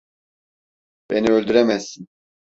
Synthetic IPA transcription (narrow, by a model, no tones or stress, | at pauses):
b̥eniølʲd̪yɾɛmɛsːin